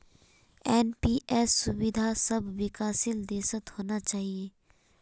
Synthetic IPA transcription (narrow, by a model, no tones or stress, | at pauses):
ɛːnpiʔɛːsːʊbɪd̪ʱasɐbʱːɪkaːsɪld̪eːsət̪hoːnat͡ʃaːɦieː